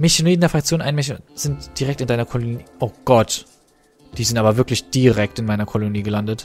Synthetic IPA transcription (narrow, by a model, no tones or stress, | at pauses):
mɪçɪnedndeɐfʁ̥akt͡sjoːnʔaɪnmɪçnz̥ɪntd̥iʁɛktɪndaɪnɐkʰɔloniːʔoɡ̥ɔt | d̥iːzɪntʔaːbɐvɪɐklɪçd̥iʁɛk̚tɪnmaɪnɐkʰɔloniːɡəlandət